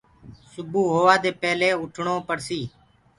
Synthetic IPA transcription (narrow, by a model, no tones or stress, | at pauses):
sʊbuːɦoːʋaːd̪eːpɛːleːʊʈʰɳoːpəɾsiː